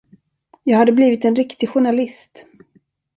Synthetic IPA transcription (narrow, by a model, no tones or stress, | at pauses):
jɑːɡhad̪ːəbliːvɪt̪ɛnɾɪkt̪ɪɡɧʊɳalɪst̪